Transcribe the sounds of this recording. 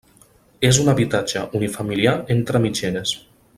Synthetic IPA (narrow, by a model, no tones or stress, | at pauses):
ezunaβit̪ad͡ʒəʔunifamiliaent̪ɾəmid͡ʒenes